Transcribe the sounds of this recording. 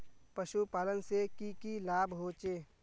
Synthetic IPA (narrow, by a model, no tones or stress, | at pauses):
pəʃupaːlənsekikilaːbɦoːt͡ʃeː